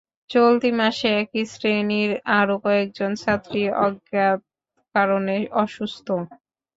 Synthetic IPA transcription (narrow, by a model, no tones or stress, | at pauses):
t͡ɕolt̪imaʃeɛkisɾeniɾaɾokɔek̚d͡ʑonsat̪ːɾiɔ̰ɡjat̪ | kaɾoneʔɔʃust̪ʰo